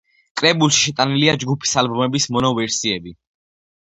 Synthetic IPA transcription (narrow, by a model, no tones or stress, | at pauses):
kʼɾɛbulˠʃi̥ʃɛt̪ʼaniliad͡ʒɡupʰi̥salbɔmɛbismɔnɔvɛɾsiɛbi